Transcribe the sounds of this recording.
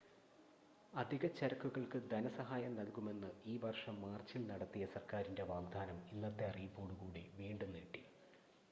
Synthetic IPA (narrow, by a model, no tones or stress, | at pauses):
ɐd̪ʱiɣɐt͡ɕːɐɾɐkːuɣɐɭkɨd̪ɐnɐsɐɦaːjɐmnɐlkume̞nːɨiːʋɐrʂɐmːaːrt͡ɕːilnɐɽɐt̪ːijɐsɐrkaːɾinde̞ʋaːɡd̪ʱaːnɐmilːɐt̪ːe̞ɐrijpːoːɽuɣuːɽḭʋiːɳɖunːiʈːi